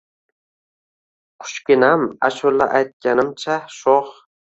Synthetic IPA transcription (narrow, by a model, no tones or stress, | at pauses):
qʰʊ̥ʃkʲɪnamaʃolːa̰ʔajt̪̚kʲanɪmt͡ʃʰaʃoχ